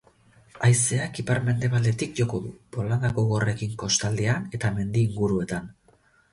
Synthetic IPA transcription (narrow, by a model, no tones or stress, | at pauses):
ajse̞akipaɾme̞nd̪e̞β̞ald̪e̞t̪ikʝo̞ko̞ðupo̞land̪akoɣore̞kiŋko̞st̪ald̪eane̞t̪ame̞nd̪iːŋɡuɾue̞t̪an